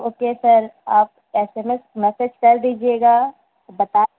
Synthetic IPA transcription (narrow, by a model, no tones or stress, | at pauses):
oːkesɐɾaːp̚ | ɛːsemesmɛsed͡ʒkɐɾd̪iːd͡ʒieɡaː | bɐt̪aː